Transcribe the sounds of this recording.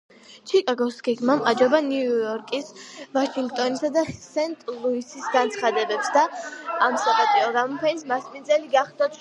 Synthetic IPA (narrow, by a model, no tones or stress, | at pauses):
t͡ʃʰikʼaɡɔsɡɛɡmamad͡ʒɔbaniujɔɾkʼisvaʃiŋɡ̚t̪ʼɔnisad̪asɛnt̪ʼlˠuisisɡant̪sʰχad̪ɛbɛpsd̪aːmsakʼap̪ʼiɔɡamɔpʰɛnismasminzʼɛliɡaχd̪a